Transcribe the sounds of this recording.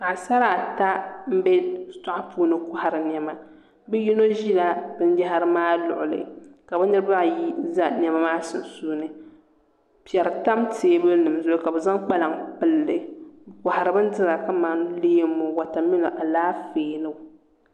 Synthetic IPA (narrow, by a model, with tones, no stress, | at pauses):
ma˨ʔa˨sa˦ɾa˨ta˦m̩˦bɛ˦sa˦ʔa˦puː˦˨nɨ˦kʊ˦ha˨ɾɨ˨n˨ɛ˨ma˨ | bɛ˦ji˦no˦ʒi˦la˨b̥ɨ˦n˦d͡ʒa˦ɦa˦ɾɨ˦maː˦lʊ̰˨ʔʊ˨lɨ̰˨ka˨bɨ˦nɨ˦ɾba˦˨ji˦za˦n˨ɛ˨ma˦maː˦sɨ̰˨n˨suː˦nɨ˨ | pɛ˨ɾɨ˨ta˦mtʰeː˨˦bɨ˦nɨ˨m˨zʊ˦ka˨bɨ˨za˦ŋk͡pa˦la˨ŋpɨ˦lːɨ˨bkʷa˨ha˨ɾɨ˨bɨ˦n˦dɨ˦ɾa˨ka˦maː˨nu˦leː˦mːo˨wa˨ta˨mi˦no˨ʔa˨laː˦feː˨nɨ˦˨